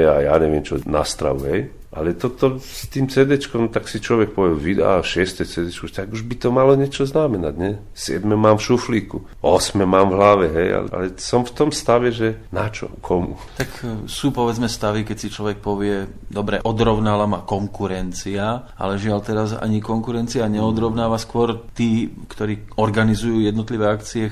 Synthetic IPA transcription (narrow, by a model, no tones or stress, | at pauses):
ɛaja̰ːɲɛʋɪɛmt͡ʃɔna̰st̪ɾa̰ʋṵɦɛj | ʔa̰lɛt̪ɔt̪ɔst̪iːmt͡sɛd̪ɛt͡ʃkɔmt̪aksit͡ʃlɔʋɛk̚pɔʋɛʋid̪a̰aʃɪɛst̪ɛt͡sɛd̪ɛt͡ʃkut̪aɡuʒbit̪ɔmalɔɲɛt͡ʃɔznamɛnaɟɲɛ | sɪɛ̰d̪mɛmaːmfʃufliːkṵ | ɔsmɛmaːmvɦlaʋɛɦɛja̰la̰lɛsɔmft̪ɔmst̪aʋɛʒɛnat͡ʃɔ̰kʰɔmṵ | t̪aksuːpɔʋɛd͡zmɛst̪aʋikɛsit͡ʃlɔʋɛk̚pɔʋɪɛd̪ɔbɾɛʔɔd̪ɾɔʊnalamakɔŋkuɾɛnt͡sia | a̰lɛʒɪaʎt̪ɛɾaza̰ɲikɔŋkuɾɛnt͡siaɲɛɔd̪ɾɔʊnaːʋaskʊɔɾt̪iːkt̪ɔɾiːɔɾɡanizujuːjɛd̪nɔt̪liʋɛakt͡siɛ